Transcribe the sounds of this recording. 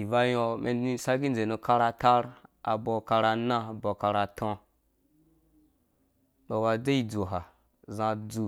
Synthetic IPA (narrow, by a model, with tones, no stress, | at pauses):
i˨va˧jo˧me˨i˦sa˦ɡi˦n˨e˨no˧ka˧ɾa˧ta˦ɾa̰˨bɔ˨ka˧ɾa˧nã˦˨bɔ˨ka˧ɾa˨tʰɔ̃˧ | ɓɔ˨wa˧de˦i˨d͡zu˨ɦa˨ | zã˧d͡zu˨